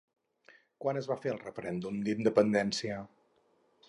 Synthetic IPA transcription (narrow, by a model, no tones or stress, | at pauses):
kwanəzβafeəlˠrəfəɾɛnd̪umd̪ind̪əpənd̪ɛnsiə